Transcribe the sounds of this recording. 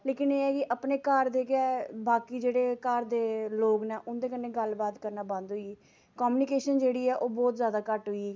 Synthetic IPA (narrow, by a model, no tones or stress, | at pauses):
leːkɪneːɛːkɪʔəpneːkaɾd̪eːkɛːbaːkiːd͡ʒeːɽeːkaːɾd̪eːloːɡnɛːʔʊnd̪eːkənːeːɡəlbaːt̪kəɾnaːbãnd̪ɦoːiː | kɔːmuːnɪkeːʃənd͡ʒeːɽiːɛːʔoːbɔːt̪zjaːd̪aːkəʈɦʊiː